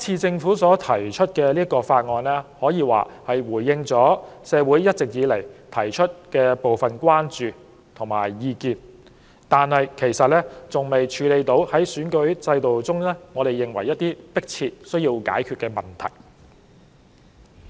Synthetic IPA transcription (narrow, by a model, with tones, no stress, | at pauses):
t͡sʰiː˧t͡sɪ˧ŋfuː˨˥sɔː˨˥t̪ʰɐ˨˩jt͡ʃʰɵ˥t̚kɛː˧liː˥ɐ˥kɔː˧faː˧t̚ŋɔː˧nlɛː˥hɔː˨˥jiː˧wa̰ː˨˩hɐ˨jwuː˨˩jːɪ˧ŋt͡sɔː˨˥sɛː˨˧wu˨˥jːɐ˥t̚t͡sɪ˨k̚jiː˨˧lɐ˨˩jt̪ʰɐ˨˩jt͡ʃʰɵ˥t̚kɛː˧po˨wfɐ˨nkwaː˥nt͡ʃyː˨ | t̪ʰʊ˨˩ŋmaː˨˩jːiː˧kiː˧n | t̪aː˨nhɐ˨jkʰe˨˩jsɐ˨t̚lɛː˥t͡sʊ˨ŋme˨jt͡ʃʰyː˨˧le˨˧jt̪o˨˥whɐ˨˥jsyː˨˥nkɵ˨˥ɥt͡sɐ˧jt̪o˨wt͡sʊ˥ŋlɛː˥ŋɔː˨˧ɾe˨jːɪ˨ŋwɐ̰˨˩jɐ˥t̚t̪iː˥pɪ˥k̚t͡sʰiː˧t̚sɵ˥ɥjiː˧wka̰ː˨˥jkʰyː˨˧t̚kɛː˧mɐ˨˩nt̪ʰɐ̰˨˩j